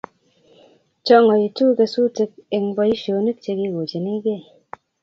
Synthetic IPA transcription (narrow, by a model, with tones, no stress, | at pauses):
t͡ʃɔ˦ŋɔ˨i˨tu˦ke˧su˦te˦k̚e˨ŋbɔ˦i˦ʃo˨˦ni˦k̚t͡ʃe˧ki˧˨ɡo˨d͡ʒe˨ni˦ɡe˦˨